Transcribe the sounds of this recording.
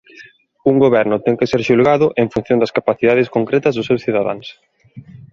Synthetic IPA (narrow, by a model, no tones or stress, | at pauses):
uŋɡoβɛɾnʊt̪ɛŋkeseɾʃulɣaðʊʔeŋfun̟θjõnd̪ɐskapaθiðað̞ɪskoŋkɾɛt̪ɐzðʊsewsθiðaða̰ŋs